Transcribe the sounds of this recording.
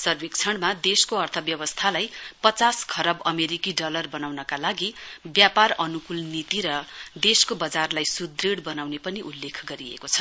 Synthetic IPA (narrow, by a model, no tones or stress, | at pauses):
sʌrbik̚t͡sʰʌɽmad̪eskoʌrt̪ʰʌbjʌbʌst̪ʰalajpʌt͡saskʰʌɾʌbʌmeɾikiɖʌlʌrbʌnawnʌkalaɡibjaparʌnukulnit̪iɾʌd̪eskobʌd͡zarlajsud̪reɽbʌnawnepʌniʔulːekʰɡʌɾiḛkot͡sʰʌ̥